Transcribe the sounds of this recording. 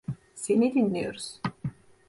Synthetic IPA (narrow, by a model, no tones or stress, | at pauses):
senid̪inːijoɾus